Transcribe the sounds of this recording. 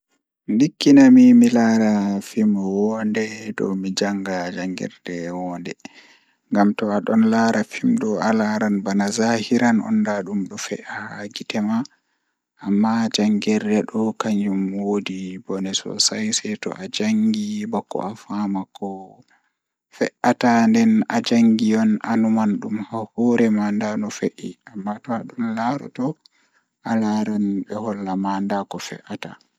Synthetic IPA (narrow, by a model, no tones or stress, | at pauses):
ndikːinamimilaɾafimwɔndɛdɔ̰mid͡ʒaŋɡad͡ʒaŋɡɛ̰ɾdɛwɔndɛ | ŋɡamtɔaɗɔnlaɾafimɗɔalaɾanbanazahiɾanɔ̰ndaɗumɗɔfɛʔahɡitɛma | ʔamːad͡ʒaŋɡɛɾdɛɗɔkaɲd͡ʒumwodibɔnɛsɔ̰sajsɛjtɔ̰ʔad͡ʒaŋɡibɔkːɔ̰ʔafamakɔ | fɛʔatandɛnad͡ʒaŋɡijɔnanumanɗumhahuɾɛmandanɔfeʔiamːatɔaɗumlaɾɔ̰tɔ | ʔalaɾanbɛhɔlːamandakɔfɛ̰ʔata̰